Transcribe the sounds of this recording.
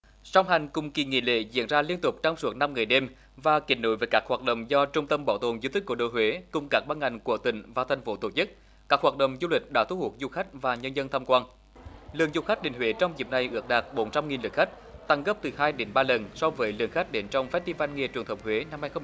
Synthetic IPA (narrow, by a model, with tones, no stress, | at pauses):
sa˧wŋ͡mɦa˨˩jŋ̟kʊ˨˩ŋ͡mki˨˩ŋḭ˧˨lḛ˧˨zḭ˧˥ənzaː˧li˧ənt̪ʊ˨˩k͡p̚t͡ɕa˧wŋ͡msu˨˦˥t̚na˧mŋɨ˨˩əjɗe˧m | vaː˨˩kḭ˧˩˦no̰˧˦jveː˨˩jkaː˦˥k̚hwaː˨˩t̚ɗə̰˧˨wŋ͡mzɔ˧t͡ɕʊ˧ŋ͡mt̪ə˧mɓɔ˨˦wt̪o˨˩nzu˧t̪i˦˥k̟kəɗo̰˧˨jhwe˨˦kʊ˨˩ŋ͡mkaː˦˥k̚ɓaː˧nŋa˨˩jŋ̟ku˧˩ət̪ï˧˩ŋ̟vaː˨˩t̪ʰɛ˨˩jŋ̟fo˨˦t̪o˧˩t͡ɕɨ˦˥k̚ | kaː˦˥k̚hwaː˨˩t̚ɗə̰˧˨wŋ͡mzu˧lï˨˩k̟̚ɗa̰ː˧˥t̪ʰu˧˦hu˨˩ək̚zu˧xa˦˥jk̟̚vaː˨˩ɲə˧nzə˧nt̪ʰaː˧mkwaː˧n | lɨ̰˧˨əŋzu˧xa˦˥k̟̚ɗi˨˩ŋ̟hwe˨˦t͡ɕɔ˧wŋ͡mzi˨˩p̚na˨˩jʔɨ˦˥ək̚ɗaː˨˩k̚ɓo˨˦nt͡ɕa˧mŋi˨˩nlɨ˨˩k̚xa˦˥jk̚t̪a˧ŋɣə˦˥p̚t̪ɨ˨˩haː˧jɗe˨˦nɓaː˧lə˨˩nsɔ˧vəː˨˦jlɨ̰˨˩əŋxa˦˥jk̟̚ɗe˨˦nt͡ɕɔ˧wŋ͡mfɛ˦˥t̚t̪i˧va˧nŋi˧ət͡ɕwənt̪ʰə˨˩˦ŋ͡m̚hwe˨˦na˧mhaː˧jxə˧